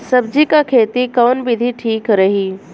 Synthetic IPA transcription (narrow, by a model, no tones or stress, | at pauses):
sɐb̚d͡ʑikakʰeːt̪ikɐʋnbɪd̪ʱiʈʰiːkɾɐɦiː